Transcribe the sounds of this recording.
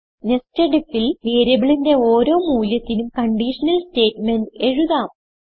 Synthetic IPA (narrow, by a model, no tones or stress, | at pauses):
nesteɖifilʋeːɾɐbiɭinde̞oːɾo̞ːmuːljɐt̪ːinumkɐɳɖiːʂɐnɐlste̞ːʈmende̞ɻuðaːm